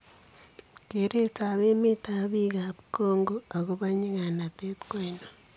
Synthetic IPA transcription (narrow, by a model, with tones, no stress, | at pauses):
ke˨ɾe˦ta˨βe˦mɪ˦ta˦˨βi˦ɣa˨pko˦ŋɡo˦a˨ɣo˦βa˦ɲi˦ŋa˨na˨te˦t̪kwo˦i˨no˨